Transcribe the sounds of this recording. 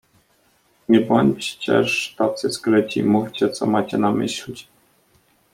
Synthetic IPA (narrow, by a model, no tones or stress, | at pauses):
ɲɛbɔɲʲt͡ɕt͡ɕɛ̰ʂt̪at̪sɘsklɛt͡ɕḭmufʲt͡ɕɛt̪sɔmat͡ɕɛnamɘ̰ɕlʲit͡ɕ